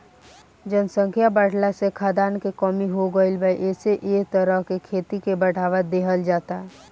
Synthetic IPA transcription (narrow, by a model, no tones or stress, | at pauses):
d͡ʒənsə̃ŋkʰjabaːɽlasekʰad̪aːnkekɔːmiɦoɡəɪlbʱəiʔeːseʔeːkt̪əɾəɦkekʰeːt̪ikebəɽ̤aːʋad̪eːɦəld͡ʒaːt̪aɦɛ